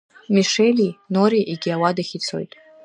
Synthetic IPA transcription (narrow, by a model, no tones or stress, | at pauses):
miʂelinoɾiʔiɡʲiawadaχʲit͡sʰo̞̰jtʼ